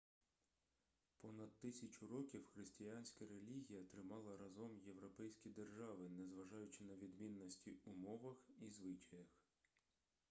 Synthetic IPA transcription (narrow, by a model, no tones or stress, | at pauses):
pɔnɐd̪̚t̪ɪsʲɐt͡ʃʊɾɔkʲiwxɾɪsʲtʲɪjanʲsʲkɐɾelʲiɦʲijɐt̪ɾɪmɑlˠɐɾɐzɔmje̞ʋɾɔpɛjsʲkʲid̪erʒɑʋɪnɛzʋɐʒɑjʊt͡ʃɪnɐʋʲid̪mʲinːɔsʲtʲiʊmɔʋɐxizʋɪt͡ʃɐjɐx